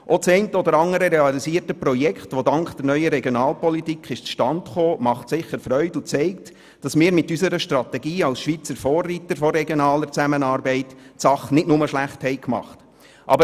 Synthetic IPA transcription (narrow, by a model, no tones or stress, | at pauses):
ʔɔt͡sɛɪntəɔdəɾɑŋəɾəɾɛɑlisiːərtəpɾɔjɛkχtʋodɑŋkχd̥əɾnœʏəɾɛɡjonɑːlpɔlitikχɪʃt͡sʃtɑntχoːmɑχtsɪχəɾfrœʏdʊt͡sɛɪkt | d̥ɑsmɪːɾmɪtysəɾəʃtrɑtɛɡiːɑlsʃʋiːt͡səɾfɔːrːitəɾfɔɾɛɡjonɑːləɾt͡sæmənɑːɾbɛɪtsɑχnɪtnʊməʃlæχthɛɪkmɑ̰χt | ʔɑ̰bə